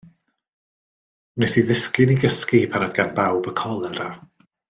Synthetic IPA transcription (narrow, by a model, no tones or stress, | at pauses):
nɪsiðɪskɪniɡəskipʰanadɡanbawbəkʰɔlˠɛɾa